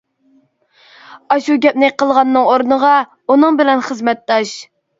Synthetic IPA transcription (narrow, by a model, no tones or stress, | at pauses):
ɑʃuɡʲɛp̚nɪqəlˠʁɑnːɨŋoɾnəʁɑ | unɨŋbɪlɛnχəzmɛt̪ːɑʃ